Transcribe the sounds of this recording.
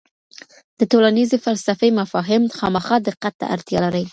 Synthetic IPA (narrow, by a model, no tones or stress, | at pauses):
d̪̥ət̪olanizefalsafemafɑɦɪmxɑmaxɑd̪ɪqːat̪̚ːa̰ʔa̰ɾt̪jɑlaɾəj